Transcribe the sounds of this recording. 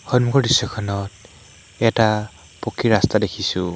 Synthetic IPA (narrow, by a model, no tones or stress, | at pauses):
hɔnmukɔɹdisɔkʰɔnɔt̚ | ɛta | pɔkʰiɹastadekʰisʊ̃